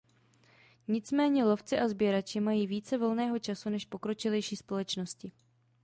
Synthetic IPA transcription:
ɲɪt͡smɛːɲɛlo̞ft͡sɪʔazbjɛɾat͡ʃɪmajiːviːt͡sɛvo̞lnɛːɦo̞t͡ʃasunɛʃpo̞kɾo̞t͡ʃɪlɛjʃiːspo̞lɛt͡ʃno̞scɪ

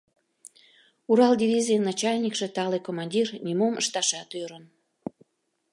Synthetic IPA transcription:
uɾɑldʲiβʲizʲiənɑt͡ɕɑlʲnʲikʃet̪ɑlekomɑnʲdʲirnʲimoməʃt̪ɑʃɑt̪øɾən

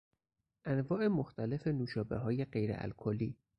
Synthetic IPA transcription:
ʔænvɒːʔemoxt̪ʰæle̞fe̞nuːʃɒːbeɦɒːje̞ɢe̞jɾḛʔæ̰lkʰoliː

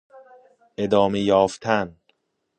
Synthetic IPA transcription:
ʔe̞d̪ɒːmejɒːft̪ʰæn

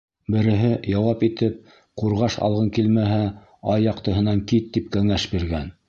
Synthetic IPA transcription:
bɘ̆ɾɘ̆ɦɘjɑwɑpit̪ɘp̚ | quɾʁɑʃɑ̰lˠʁɤŋkilmæɦæ | ɑjːɑqt̪ɤ̆ɦɤ̆nɑŋkit̪ːip̚kæŋæʃbiɾɡæn

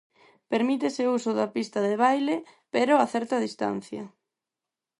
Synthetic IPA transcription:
peɾmit̪eseusʊðapist̪ɐðeβ̞ajlepeɾoaθɛɾt̪aðist̪a̰n̟θjɐ

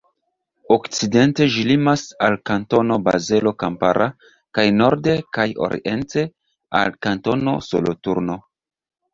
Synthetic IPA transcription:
okt͡side̞nte̞ʒilimasalkanto̞no̞ba̰ze̞lo̞kampaɾʔa | kajno̞ɾde̞kajo̞̰ɾḭʔe̞nte̞ | a̰lkanto̞no̞̰so̞̰lotuɾno̞

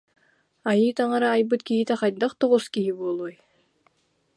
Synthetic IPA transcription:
ajɯːt̪aŋaɾaːjbɯt̪kiɦit̪ɛχajd̪aχt̪ɔʁuskiɦibuɔlˠuːj

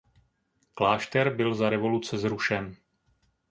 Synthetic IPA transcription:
klaːʃt̪ɛɾbɪlzaɾɛvo̞lut͡sɛzɾuʃɛn

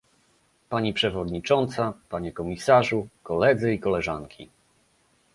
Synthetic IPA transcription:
paɲipʂɛvɔd̪ɲit͡ʂɔnt̪sapaɲɛkɔmʲisaʐukɔlɛd̪zɘikɔlɛʐa̰ŋkʲʰḭ

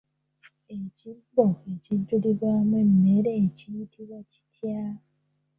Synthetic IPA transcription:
e̞cibːoe̞ciɟːuliβwaːmwemmeɾeːcijitʰiβwaci̥tʰja

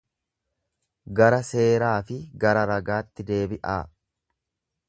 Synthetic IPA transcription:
ɡɐɾɐse̞ːɾaːfɪɡɐɾɐɾɐɡaːt̪ːɪd̪e̞ːbɪʔaː

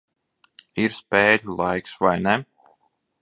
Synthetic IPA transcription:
iɾspɛːd̪lˠajksvajnɛ

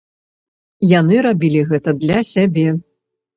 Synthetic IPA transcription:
janɨɾabʲilʲiɣɛt̪ɐd̪lʲɐsʲabʲɛ

